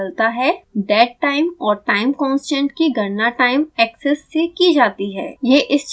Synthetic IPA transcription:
lt̪aɦɛɖɛːʈʈaːɪmɔːɾʈaːɪmkɔ̃ːnsd͡ʒɛ̃ɳʈkiɡʱɐɾnaʈaːɪmɛːksɛsːekid͡ʒaːt̪iɦɛːjeːʔɪst͡ʃ

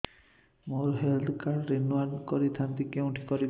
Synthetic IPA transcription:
moɹɦɛld̪kaɹːenuadkɔɹit̪ʰant̪ikeʊ̃ʈʰi̥kɔɹi

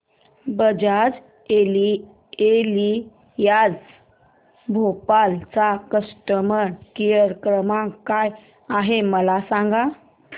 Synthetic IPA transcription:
bəd͡ʑad͡z | eli | eli | jad͡z | bʱopalt͡sakəsʈəməɾkijəɾkɾəmãŋkaj | aɦeməlasãŋɡa

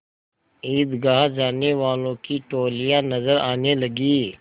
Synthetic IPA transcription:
iːd̪ɡaːɦd͡ʒaːneʋaːlõkiʈoːlijãnɐzəɾaːnelɐɡiː

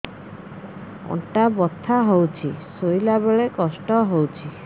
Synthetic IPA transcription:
ɔ̰ʈabɔt̪ʰːaɦowt͡ʃʰisojlabeɭekɔsʈɔɦowt͡ʃʰi

